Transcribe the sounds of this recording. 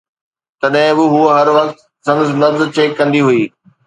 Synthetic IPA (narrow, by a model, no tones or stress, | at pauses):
t̪ɐɗɦɪ̃bɪɦuɦɐɾʋɐk̚t̪ | sɐ̃ŋznɐbzt͡ɕeːkːɐ̃nd̪iɦuiː